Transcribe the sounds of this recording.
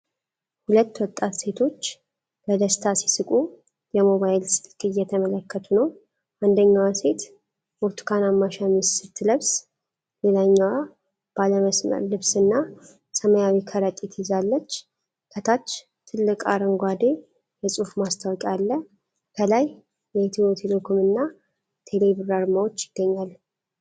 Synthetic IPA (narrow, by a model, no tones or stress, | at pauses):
hulət̪ːwɔt̪ʼːat̪se̞t̪ʰo̞t͡ʃː | bəd̪əst̪ʰasi̥sɨkʼu | jɛmo̞βajlsɨ̥lkʼɨjːɛt̪ʰəmələkːət̪ʰunəw | ʔand̪əɲːawse̞t̪ | boɾt̪ʰu̥kʰanamːaʃamissɨt̪ʰːɨləβs | le̞laɲːaw | b̥aləməsmə̰ɾlɨβsɨnːa | səməjawikʰəɾək̪ʼit̪ʰizalːət͡ʃː | kʰət̪ʰat͡ʃː | t̪ʰːɨlːɨkʼaɾəŋɡʷad̪e̞ | jɛsʼufmast̪ʰawkʼalːə | kʰəlaj | jɛt̪ʰiot̪ʰelekʰomɨnːa | t̪ʰe̞le̞βɾaɾmawot͡ʃːjɪɡ̥ːəɲːal